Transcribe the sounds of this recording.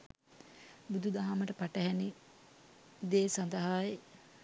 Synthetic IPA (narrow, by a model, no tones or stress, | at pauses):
bud̪ud̪aɦaməʈəpaʈəɦɛni | d̪eːsand̪ɐɦaje